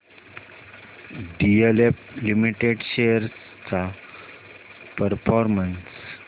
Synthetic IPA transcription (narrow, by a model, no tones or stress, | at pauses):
ɖieleplimiʈeɖɕejəɾ | t͡sa | pəɾfɔɾməns